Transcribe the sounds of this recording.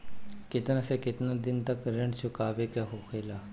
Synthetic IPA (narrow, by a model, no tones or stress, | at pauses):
kɪt̪naseːkɪt̪nãːd̪ɪnt̪əkɾeɳt͡ʃʰʊkaːʋeːkaɦoːkʰeːlaː